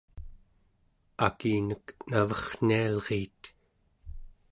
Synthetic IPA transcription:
akiːnəknavʌχn̥ialʁiːt̪

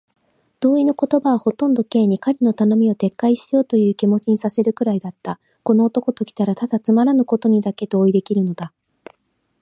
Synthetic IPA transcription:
d̪̥o̞ːino̞ko̞t̪o̞baβaho̞t̪õ̞nd̪o̞ke̞ːɲ̟ikaɲʲino̞t̪ano̞mʲio̞t̪e̞kːaiɕi̥jo̞ːt̪o̞jɯ̟ːkʲimo̞t͡ɕiɲ̟isase̞ɾɯ̟kɯ̟ɾaid̪at̪ːa | ko̞no̞ːt̪o̞ko̞t̪o̞kʲi̥t̪aɾat̪ad̪̥at͡sɨmaɾanɯ̟ko̞t̪o̞ɲ̟id̪ake̞d̪oːid̪e̞kʲiɾɯ̟no̞d̪a

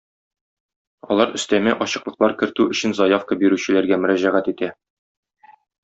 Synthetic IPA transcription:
ɒ̰lˠɑɾɵ̆st̪æmɘʔɒɕɤ̆qlˠɤ̆qlˠɑɾkɘ̆ɾt̪ʉɵ̆ɕɘnzɒjafkəbiɾʉɕɘ̆læɾɡæmɵ̆ɾæʑæʁæt̪it̪æ

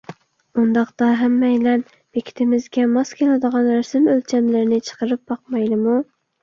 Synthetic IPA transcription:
und̪ɑqd̪ɑɦɛmːɛjlɛn | b̥ekʲʰi̥t̪ʰɪmɪzɡʲɛmɑskʲʰelɪd̪əʁɑnɾæsɪmølt͡ʃʰɛmlɪɾɪnɪt͡ʃʰə̥qəɾɨp̚bɑq̚mɑjlˠɨmu

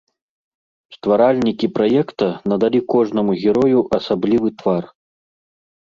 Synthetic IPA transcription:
st̪vaɾalʲnʲikʲipɾajɛkt̪ɐnɐd̪alʲikɔʐnɐmuɣʲɛɾɔjuʔɐsablʲivɨt̪var

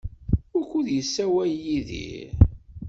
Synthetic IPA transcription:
ʊɾkːuðjəsːæwæjiðḭ

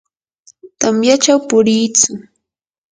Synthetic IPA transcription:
t̪amjat͡ʃawpʊɾiːt͡sʊ

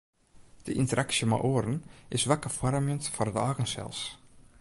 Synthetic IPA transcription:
ð̥ɪ̰ʔḭnt̪əɾʔaksjəma̰ʔɔɾnɪsvakːafwaɾamjʏnt̪faɾðaːɣənsɛ̰ls

